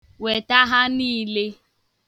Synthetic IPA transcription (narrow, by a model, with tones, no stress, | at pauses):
we˨ta˦ɦa˦niː˦le˦